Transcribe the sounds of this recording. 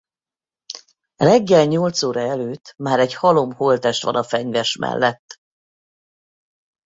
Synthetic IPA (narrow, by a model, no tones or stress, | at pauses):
rɛɡːɛlɲolt̪soːɾɒɛløːt̪ːmaːɾɛɟhɒlo̞mholt̪ɛʃt̪ʋɒ̰nɒfɛɲvɛʃmɛ̰lːɛt̪ː